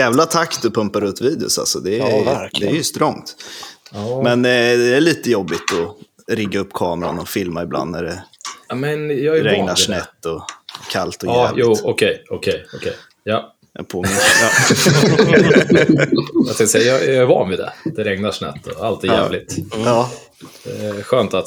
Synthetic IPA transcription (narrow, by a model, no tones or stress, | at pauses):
jɛːvlat̪ʰakt̪ɔpʰɵmpaɾɵt̪viːd̪ɪʊ̰sa̰lsɔd̪ɛɾdɛɛɾjst̪ɾɔŋt̪ | mɛnd̪ɛæɭiːt̪əjɔbːɪt̪ɔ | ɾɪɡːaɵpːkʰɑːmɛɾa̰nɔfɪlmaɪbla̰nd̪æɖɛmɛnjɑɾɾɛŋnanɛt̪ːɔkʰalt̪ɔjlɪuːɔkʰɛjɔkʰɛjɔkʰɛj | jɑ | pʰoːmɪn | at̪ʰɛ̃k̪sɛjjɑjɑæɾvɑ̰ːnvɪd̪ɛ̰d̪̥ɛɾɛŋnaʂnɛ̰t̪ːɔalt̪ɪjɛ̰ːvlɪt̪ː | ɛɧøːnt̪at̪